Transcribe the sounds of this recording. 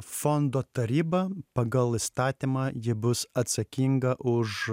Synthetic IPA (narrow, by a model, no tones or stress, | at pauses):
fɔnd̪oːt̪ɐɾʲiːbɐpɐɡɐlˠɪst̪ɑːt̪ʲimɑːjɪbʊsɐt̪sɐkʲiŋɡɐʔʊʃ